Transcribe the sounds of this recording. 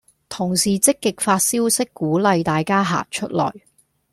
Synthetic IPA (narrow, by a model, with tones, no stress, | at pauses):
t̪ʰʊ˨˩ŋsiː˨t͡sɪ˥kːɪ˨k̚faː˧t̚siː˥wsɪ˥kːuː˨˥lɐ˧jt̪aː˨jkaː˥ɦa̰ː˨k̚t͡ʃʰɵ˥t̚lɔ̰ː˨˩j